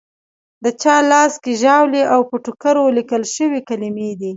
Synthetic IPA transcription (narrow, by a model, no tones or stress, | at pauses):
d̪ət͡ʃɑlɑskeʒɑwleʔawpəʈʊkaɾolikəlʃəwikalimed̪i